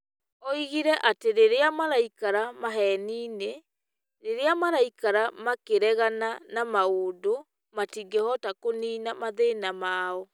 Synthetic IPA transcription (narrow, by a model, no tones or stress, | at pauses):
ɔiɣiɾɛʔateɾeɾeamaɾaikaɾamaɦɛniːne | ɾeɾeamaɾaikaɾamakeɾɛɣananamaodo | matiːŋɡehɔtakoniːnamaðeːnamaːɔ